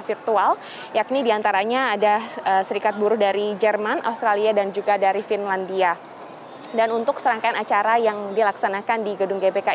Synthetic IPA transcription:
firt̪ual | jaknidiant̪aɾaɲaːdaəsəɾikat̪̚buɾʊhdaɾid͡ʒɛrmanʔa̰ust̪ɾaliadand͡ʒuɡadaɾifinlandia | danunt̪ʊksəɾaŋkaanat͡ʃaɾajaŋdilaksanakandiɡədʊŋɡebeka

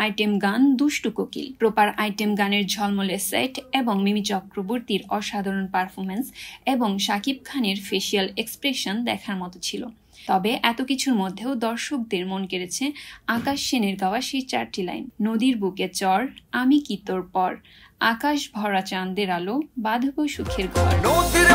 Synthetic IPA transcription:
ajʈemɡand̪uʃʈukokḭlpɾopaɾajʈemɡaneɾd͡ʑʱɔlmolesa̰jʈeboŋmimit͡ɕɔkɾoboɾt̪iɾɔʃad̪ʱaɾonpaɾfʰoɾmenseboŋʃakip̚kʰaneɾfeʃialekspɾeʃond̪ɛ̰kʰaɾmɔt̪ot͡ɕʰilo̰ | t̪ɔbeʔɛt̪okit͡ɕʰuɾmod̪ʱːeod̪ɔɾʃok̚d̪eɾmonkeɾet͡ɕʰeakaʃːeneɾɡaoaʃiɾt͡ɕaɾʈila̰jmnod̪iɾbuket͡ɕɔɾamikit̪oɾpɔɾ | akaʃbʱɔɾat͡ɕand̪eɾalobad̪ʱoboʃukʰːeɾɡaa̰ɾ

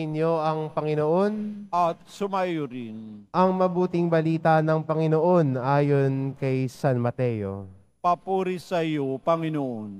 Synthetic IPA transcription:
ɪnjo̞ʔɐŋpɐŋɪno̞ʔo̞nʔɐt̪̚sʊmajʊɾɪnʔɐŋmɐbuːt̪ɪŋbɐliːt̪ɐnɐŋpɐŋɪnoʔo̞nʔaːjo̞nkɐjsanmɐt̪ɛjo̞̰ | pɐpuːɾisɐjopɐŋɪnoʔon

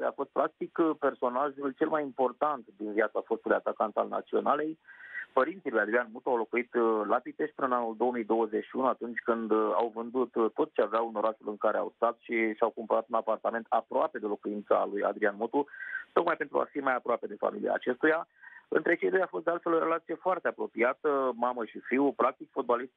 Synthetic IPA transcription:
ja̰fo̞st̪̚pɾak̚t̪ikpe̞rso̞naʒult͡ʃe̞lmajimpo̞rt̪ant̪d̪inviat̪safo̞st̪ulujat̪akant̪alna̰t̪sio̞̰nale̞jpəɾint̪silujad̪ɾianmot̪uawlo̞kuit̪lapit̪e̞ʃpɨnənanuld̪o̞omijd̪o̞wəzet͡ʃʃiunuat̪unt͡ʃʲkɨnd̪a̰wvɨnd̪ut̪ːo̞t̪t͡ʃeaveauno̞ɾaʃulɨŋkaɾe̞a̰wst̪at̪ʃisawkumpəɾat̪unapart̪ame̞nt̪apɾoape̞d̪e̞lo̞kuint̪sa̰luja̰d̪ɾianmot̪ut̪o̞k̚majpe̞nt̪ɾṵa̰fimajapɾoape̞d̪e̞fa̰milḭa̰ːt͡ʃe̞st̪ujaɨ̰nt̪ɾet͡ʃe̞jd̪o̞jafo̞st̪d̪ealt̪fe̞loɾe̞lat̪sije̞foart̪e̞apɾo̞piat̪əmaməʃifiwupɾak̚t̪ikfot̪̚balist̪̚

